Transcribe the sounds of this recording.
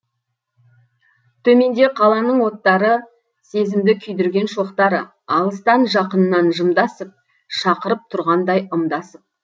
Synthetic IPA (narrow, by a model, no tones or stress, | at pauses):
t̪ʰɵme̞nd̪e̞qʰɑlˠɑnəɴwo̞t̪ːɑɾə | se̞zɪmd̪ɪkʲʰʏjd̪ʏɾɡʲe̞nʃoqt̪ɑɾə | ɑlˠəst̪ɑnʒɑqənənːɑnʒəmd̪ɑsəp̚ | ʃɑqəɾəp̚t̪ʰʊɾʁɑnd̪ɑjəmd̪ɑsəp̚